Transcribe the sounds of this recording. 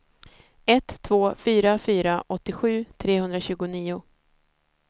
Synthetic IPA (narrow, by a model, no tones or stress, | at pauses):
ɛt̪ʰːvoːfyːɾafyːɾaʔɔt̪ːɪɧʉ̟ːt̪ʰɾeːhɵnd̪ɾaɕʉ̟ːɡʊniːʊ